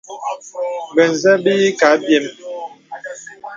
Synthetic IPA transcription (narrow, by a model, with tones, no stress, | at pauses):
bɛ˨n˨zɛ˦bi˦i˦ka˨˦bjɛ˦˨m